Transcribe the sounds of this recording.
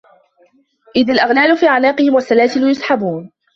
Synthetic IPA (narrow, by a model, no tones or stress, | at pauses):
ʔɪðalʔaɣlaːlʊfiːʕanaːqɨhɪmwasːalaːsɪlʊjʊsˤħabuːn